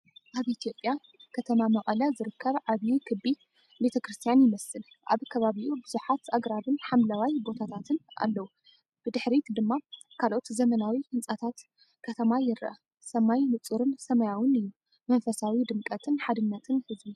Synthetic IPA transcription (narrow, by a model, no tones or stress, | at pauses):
ʔaβʔit̪ʰijo̞pʼːja | kʰɐt̪ʰɐmamɐχʼɐlɐzɨɾɨkʰːɐβʕaβjikʰɨbi | be̞t̪ʰɐkɾɨst̪ʰijanjɪmɐsɨl | ʔa̰βkʰɐβaβiʔubɨzuħat̪ʔaɡɾaβɨnħamlawajbo̞t̪ʰat̪ʰat̪ʰɨnʔa̰lːɐwu | b̥ɨd̪ɨħɾit̪d̪ɨmːa | kʰalʔo̞t̪zɐmɐnawihɨnt͡sʼat̪ʰat̪ | kʰɐt̪ʰɐmajɪɾʔɐ̰ | sɐmajmɨt͡sʼuɾɨnsɐmɐjawɨnɨjːu | mɐnfɐsawid̪ɨmkʼɐt̪ʰɨnħad̪ɨnːɐt̪ʰɨnhɨzbi